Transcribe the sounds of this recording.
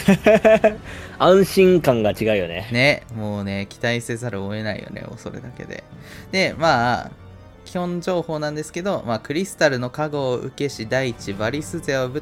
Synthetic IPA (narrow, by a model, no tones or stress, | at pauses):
ãɰ̃ɕĩŋkãŋɡat͡ɕiɡaɯ̟jo̞nḛne̞moːne̞kʲi̥t̪aisezaɾɯoe̞naḭjo̰nḛo̰so̞̰ɾɯ̰d̪ake̞̰d̪e̞̰d̪̥e̞maː | kʲihõ̞ɲd͡ʑo̞ːho̞ːnãnd̪e̞sɨ̥ke̞d̪o̞maːkɯ̟ɾʲisɨ̥t̪aɾɯ̟no̞kaɡo̞ːʔɯ̟̰ke̞ɕid̪ait͡ɕibaɾʲisɨzeobɯ̟